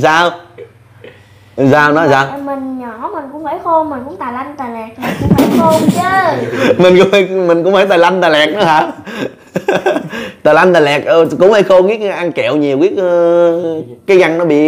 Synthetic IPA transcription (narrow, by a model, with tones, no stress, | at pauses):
saː˧w | saː˧wnɔ˨˦jsaː˧wmï˨˩ŋɲɔ˧˩˦mï˨˩ŋ̟kʊ̰˧˥wŋ͡mhə˧˩˦jxo˧nmï˨˩ŋ̟kʊ̰˧˥ŋ͡mt̪aː˨˩la˧jŋt̪aː˨˩lɛ˨˩k̚ə̰˨˩˨ə˨˦xo˧t͡ɕə˨˦mï˨˩ŋ̟kʊ̰˧˥wŋ͡mmï˨˩ŋ̟kʊ̰˧˥ŋ͡mhəː˧˩jt̪aː˨˩la˧nt̪aː˨˩lɛ˨˩k̚nɔ˨˦haː˨˧˩ | t̪aː˨˩la˧jn̟t̪aː˨˩lɛ˨˩k̚ə˧˩kʊ̰˧˥ŋ͡mhə˧˩˦jxo˧ɣi˦˥k̚ʔa˧nkɛ˧˨wɲi˨˩əwki˦˥k | kaː˨˦jɣa˧ŋnɔ˨˦ɓḭ˧˨